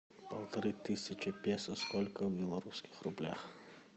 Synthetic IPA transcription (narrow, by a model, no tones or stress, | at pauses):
pɐlˠt̪ɐɾɨt̪ɨsʲɐt͡ʃɪpʲɛsɐskɔlʲkɐwbʲɛlˠɐɾuskʲɪ̥xrublʲa̰x